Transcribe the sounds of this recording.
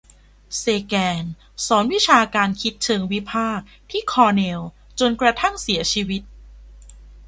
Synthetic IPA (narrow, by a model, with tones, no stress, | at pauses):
seː˧kɛː˧n | sɔː˩˦nwi˦˥t͡ɕʰaː˧kaː˧nkʰi˦˥t̪̚t͡ɕʰɤː˧ŋwi˦˥pʰaː˥˩k̚t̪ʰiː˥˩kʰɔː˧ne˧w | t͡ɕo˧nkɾa˧t̪ʰa˥˩ŋsi˩˦ɐt͡ɕʰiː˧wi˦˥t̪̚